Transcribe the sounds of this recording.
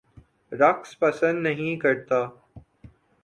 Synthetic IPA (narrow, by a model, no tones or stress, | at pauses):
ɾɐkspɐsə̃nd̪nɐɦĩkɐɾt̪aː